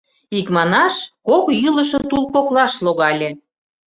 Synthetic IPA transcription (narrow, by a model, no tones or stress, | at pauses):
ikmɑnɑʃkokjyləʃɤ̆t̪ulˠpoklɑʃloɣɑlʲe